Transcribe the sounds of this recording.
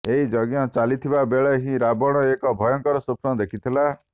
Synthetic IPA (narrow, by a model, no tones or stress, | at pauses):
eɦid͡ʒɔɡjɔ̃t͡ʃalit̪ʰibabeɭaɦĩɾabɔɽ̃ɔekɔbʱɔjɔŋkɔɾɔsupnɔd̪ekʰit̪ʰila